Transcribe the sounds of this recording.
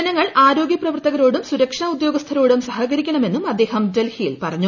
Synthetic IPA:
ɐnɐŋːɐɭʔaːɾo̞ːɡjɐprɐʋɐrt̪ɐɣɐɾo̞ːɽumsuɾɐkʂɐɳɐud̪jo̞ːɡɐst̪ʰɐɾo̞ːɽumsɐɦɐɡɐɾikʲːɐɳɐme̞nːumɐd̪ːe̞ːhɐmdɐlhijilpɐrɐɲːu

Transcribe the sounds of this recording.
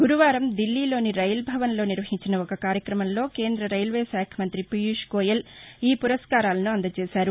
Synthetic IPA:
ɡuɾuʋaːɾɐmd̪ilːiːlo̞ːniɾɐjlbʱɐʋɐnlo̞ːniɾʋɐɦiɲt͡ʃinɐɔkɐkaːɾjɐkɾɐmɐmlo̞ːke̞ːnd̪ɾɐɾɐjlʋeːʃaːkʰjɐmɐnt̪ɾipijuʂkoːjɐliːpuɾɐskaːɾaːlɐnuɐnd̪ɐt͡ʃeːʃaːɾu

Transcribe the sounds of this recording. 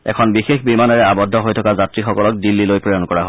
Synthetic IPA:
ɛ̰kʰɔnbixexbimanɔɹɛabɔdʱːɔɦojtʰɔkazatɹixɔkɔlɔk̚dilːilojpɹɔjɔnkɔɹaɦo

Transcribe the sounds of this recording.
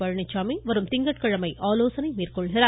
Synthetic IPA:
pɐɻɐɳɪt͡ʃːaːmiʋɐɾɯmt̪ɪŋɡɐʈ̚kɐɻɐmɐɪʔaːloːsɐnɐɪmiːrkɔɭɣɪɾaː

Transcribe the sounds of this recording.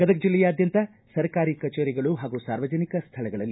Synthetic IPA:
ɡ̥ɐd̪ɐk̚d͡ʒilːɛjaːd̪jɐnt̪ɐ | sɐɾkaːɾikɐt͡ʃeːɾɛɡɐɭuɦaːɡusaːɾʋɐd͡ʒɐnikɐst̪ʰɐlɐɡɐɭɐlːi

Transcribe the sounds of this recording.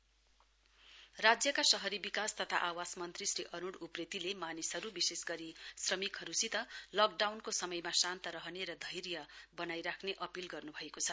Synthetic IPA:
rad͡zjʌkasʌɦʌɾibikast̪ʌt̪ʰa̰ʔawasmʌnt̪risriʔʌnuɽupret̪ilemanisɦʌɾubisesɡʌɾisrʌmikɦʌɾusit̪ʌlʌk̚ɖawnkosʌmʌjmasant̪ʌɾʌɦʌneɾʌd̪ʱʌjɾjʌbʌnajɾakʰneʔʌpilɡʌrnubʱʌekot͡sʰʌ

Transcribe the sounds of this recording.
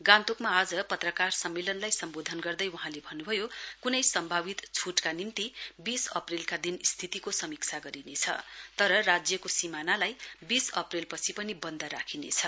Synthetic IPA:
ɡãnt̪ukmaːd͡zʌpʌt̪rʌkarsʌmːelʌnlajsʌmbod̪ʱʌnɡʌrd̪ʌjwuɦãlebʱʌnːubʱʌjokunʌjsʌmbʱaβit̪t͡sʰuʈkanimt̪ibisʌ̰prilkad̪inist̪ʰit̪ikosʌmikt͡sʰaɡʌɾinet͡sʰʌ̰t̪ʌɾʌrad͡zjʌkosimanalajbisʌprilpʌt͡sʰipʌnibʌnd̪ʌɾakʰinḛt͡sʰʌ

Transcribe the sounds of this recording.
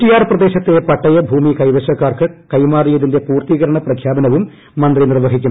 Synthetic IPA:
ʈːijaːrprɐd̪e̞ːɕɐt̪ːe̞pɐʈːɐjɐbʱuːmikɐjʋɐɕɐkːaːrkɨkɐjmaːrijɐðinde̞puːrt̪iɣɐɾɐɳɐprɐkʰjaːbɐnɐʋumː | ɐnd̪rinirʋɐɦikʲːum

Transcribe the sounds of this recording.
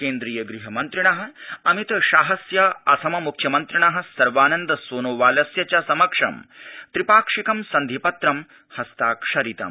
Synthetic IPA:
keːnd̪ɾiːjɐɡɾiɦɐmɐnt̪ɾiɳɐɦɐ̆ɐmit̪ɐʃaːɦɐsjɐɐsʰɐmɐmukʰːjɐmɐnt̪ɾiɳɐɦɐ̆sɐɾʋaːnɐnd̪ɐsoːnoːʋaːlɐsjɐt͡ɕasɐmɐkʂɐ̰mt̪ɾipaːkʂikɐmsɐnd̪ʱipɐt̪ɾɐm | hɐst̪aːkʂɐɾit̪ɐ̰m

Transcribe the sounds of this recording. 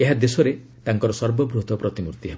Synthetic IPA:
eɦad̪esɔɾe | t̪aŋkɔɾɔsɔɾbɔbɾut̪ɔpɾɔt̪imuɾt̪iɦebɔ

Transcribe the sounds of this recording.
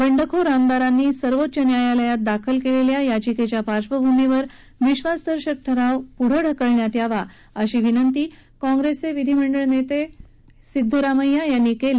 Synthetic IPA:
bəɳɖəkʰoɾamd̪aɾanːiːsəɾʋot̪ːɕənjajaləjat̪̚d̪akʰəlkeleljajad͡ʑiket͡ɕjapaɾɕʋəbʱumeʋəɾ | ʋiɕʋasd̪əɾɕək̚ʈʰəɾaʋpuɽ̤əɽ̤əkəɭɳjat̪jaʋa | əɕiːʋinənt̪iːkɔ̃ŋɡɾeseʋid̪ʱiməɳɖəɭnet̪e | sid̪ʱːəɾaməjːajanːiːkel

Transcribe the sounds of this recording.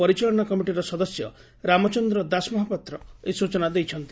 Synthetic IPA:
ɔɾit͡ʃalɔɳ̃ɔkɔmiʈiɾɔsɔd̪ɔsjɔ̰ | ɾamɔt͡ʃɔnd̪ɾɔd̪asmɔɦapɔt̪ɾɔesut͡ʃɔnad̪ejt͡ʃʰɔnt̪i̥

